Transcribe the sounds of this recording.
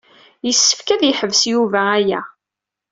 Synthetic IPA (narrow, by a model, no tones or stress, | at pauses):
jəsːə̥fkæðjəħəvsjuvæːjæ̰